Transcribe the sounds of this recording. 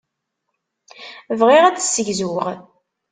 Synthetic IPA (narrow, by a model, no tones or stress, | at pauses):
vʁiʁædsːəʝzuʁ